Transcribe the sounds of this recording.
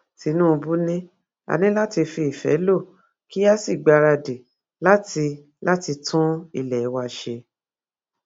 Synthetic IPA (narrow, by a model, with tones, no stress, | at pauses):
ti˨˧˦nũ˦˧bu˦nĩ˦ | a̰˧nĩ˦la˦ti˧fi˧i˨fɛ̰˨˦lo˦˨ | ki˦a˦si˦˨ɡ͡ba˧ɾa˧de˨ | la˦ti˧ | la˦ti˧tʰũ˦i˧lɛ˨i˨˦wa˧˨ʃe˧